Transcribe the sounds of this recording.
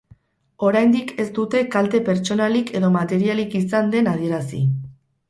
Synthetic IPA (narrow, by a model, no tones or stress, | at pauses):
o̞ɾajnd̪ike̞st̪ut̪e̞kalt̪e̞pe̞ɾt͡ʃo̞nalike̞ðo̞mat̪e̞ɾialikisand̪e̞nað̞ie̞ɾasḭ